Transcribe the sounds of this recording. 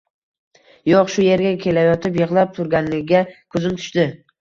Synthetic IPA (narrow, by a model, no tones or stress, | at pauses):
jɒqʃʊje̞ɾɡʲakʲʰe̞lajɒt̪ɪp̬jɨʁlˠap̚t̪ʰʊɾɡʲanlɪɡʲɡʲakʰɵzɪnmt̪ʰʊ̥ʃd̪ɪ